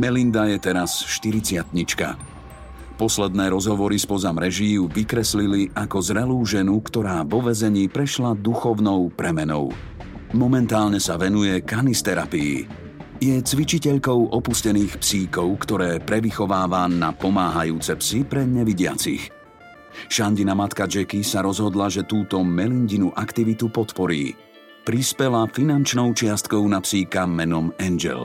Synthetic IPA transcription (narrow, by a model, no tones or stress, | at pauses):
mɛlind̪ajɛt̪ɛɾasʃt̪iɾit͡sɪat̪ɲit͡ʃka̰ | pɔslɛd̪nɛːɾɔzɦɔʋɔɾispɔzamɾɛʒijuʋikɾɛsliliʔakɔzɾɛluːʒɛnukt̪ɔɾaːvɔʋɛzɛɲiːpɾɛʃlad̪uxɔʊnɔʊpɾɛmɛnɔ̰ʊ | mɔmɛnt̪aːlɲɛsaʋɛnujɛkanist̪ɛɾa̰piḭ | jɛt͡sʋit͡ʃicɛʎkɔʊʔɔpuscɛniːxpsiːkɔʊkt̪ɔɾɛːpɾɛʋixɔʋaːʋanapɔmaːɦajuːt͡sɛpsipɾɛɲɛʋiɟɪa̰t͡sḭx | ʃanɟinamat̪kad͡ʒɛkisaɾɔzɦɔd̪laʒɛt̪uːt̪ɔmɛlinɟinuʔakt̪iʋit̪upɔt̪pɔɾḭː | pɾispɛlafinant͡ʃnɔʊt͡ʃɪast̪kɔʊnapsiːkamɛnɔmɛnd͡ʒɛ̰l